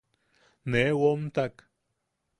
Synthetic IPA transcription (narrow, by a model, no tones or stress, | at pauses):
newomt̪ak